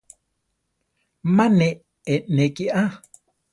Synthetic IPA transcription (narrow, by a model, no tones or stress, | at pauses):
mane | enekiʔa